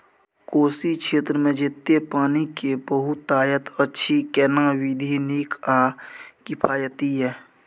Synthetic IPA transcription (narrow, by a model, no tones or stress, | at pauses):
koːsikʃʰeːt̪ɾəmẽd͡ʒet̪ːepaːnikebəɦʊt̪ːaːjət̪ətːʃʰikɛːnãwid̪ʱiniːkaːkɪpʰaːjət̪iɦɛː